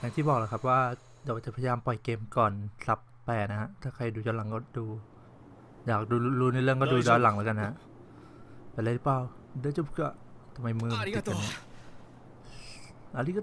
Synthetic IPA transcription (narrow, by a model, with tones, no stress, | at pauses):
ja˧˦ŋt̪iː˥˩bɔː˨˩k̚laː˧˩kʰa˦˥p̚waː˥˩ | daː˧˩wa˨˩t͡ɕa˨˩pʰa˧ja˧jaː˧mpɔ˨˩jkeː˧mkɔː˨˩nsa˦˥pːɛː˨˩na˦˥ha˧˥ʔt̪ʰaː˥˩kʰa˧˩jduː˧ɔː˧˥la˩˦ŋkɔː˥˩duː˧ | jaː˨˩k̚duː˧luː˧˥˩nɯ˧˦lɯ˥˩əŋk̬ɔ˥˩duː˧˩t͡ɕɔː˧la˨˩˦ŋlaː˧˦ka˧nːaa˦˥ʔ | plaː˧˥˩ɾɯ˦˥plaː˧w | dɯ˧˥˩t͡ɕu˥˩pʰkːt̪ʰa˧ma˧jmɯː˧ma˨˩˨t̪t͡ɕa˧ni˦˥ | ʔa˧liː˧˥˩k